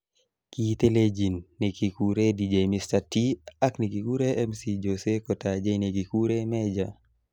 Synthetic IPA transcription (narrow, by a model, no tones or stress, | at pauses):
kit̪eled͡ʒinːekikuɾedid͡ʒajmistatiaknikikuɾeʔɛmsid͡ʒosekɔtad͡ʒajnekikuɾemɛd͡ʒa